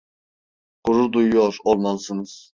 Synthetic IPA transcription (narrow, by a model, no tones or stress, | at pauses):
quɾud̪ujjoɾolˠmalˠɯsɯnɯz̥